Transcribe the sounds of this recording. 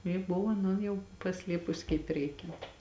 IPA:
jɪ ˈbʊʋoː ɐˈnoːn ˈjɛʊ pɐˈsʲlʲiɛpʊsʲɪ kɐɪp ˈrʲɛɪkʲɛnt

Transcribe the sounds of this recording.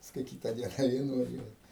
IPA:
pɐsˈkʊɪ ˈkʲiːtɐ ˈdʲiɛnɐ ˈʋʲeː nʊʋɐˈʒʲuɔjɪ

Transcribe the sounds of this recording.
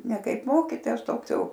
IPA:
nʲɛ ˈkɐɪp ˈmoːkʲiːtoːjɛs ˈtoːks ˈjɛʊ

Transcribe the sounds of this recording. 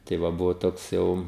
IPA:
tɐɪ ˈʋɐ ˈbʊʋoː ˈtoːks ˈjɛʊ

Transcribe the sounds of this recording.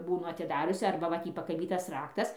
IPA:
ˈbuːnʊ ɐtʲɪˈdɑːrʲʊsʲɪ ˈɐrbɐ ʋɐ ˈtʲiː pɐkɐˈbʲiːtɐs ˈrɑːktɐs

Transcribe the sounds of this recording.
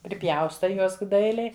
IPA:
pʲrʲɪˈpʲjɛʊstɐɪ ˈjuɔs ˈdɐɪlʲɛɪ

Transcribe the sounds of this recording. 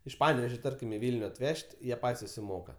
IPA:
ɪʃ ˈpɑːnʲɛʋʲɛʒʲoː ˈtɐrʲkʲɪm ɪ ˈʋʲɪlʲnʲʊ ɐtʲˈʋʲɛʃʲtʲ ˈjiɛ ˈpɐtʲsʲ sʊsʲɪˈmoːkɐ

